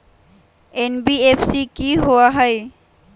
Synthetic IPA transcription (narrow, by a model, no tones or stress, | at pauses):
enbiepʰsikiɦoaɦəj